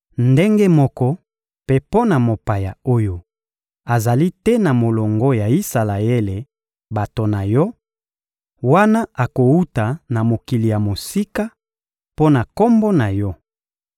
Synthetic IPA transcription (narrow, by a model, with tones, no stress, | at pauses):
nde˦ŋɡe˦mɔ˦kɔ˦ | pe˦po˦na˨mo˨pa˨ja˨o˦jo˦ | a˨za˨li˦tɛ˦na˨mo˨lɔ˨ŋɡɔ˦ja˨i˦sa˨la˨e˦le˨ | ba˨to˨na˨jɔ˦ | wa˦na˦ʔa˨ko˨u˦ta˨na˨mo˨ki˨li˨ja˨mo˨si˦ka˦ | po˦na˨ko˦mbɔ˦na˨jɔ˦